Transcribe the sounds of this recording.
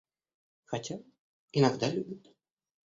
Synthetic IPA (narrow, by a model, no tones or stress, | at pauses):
xat͡sʲab̚ | inaɣd̪alʲubʲut̪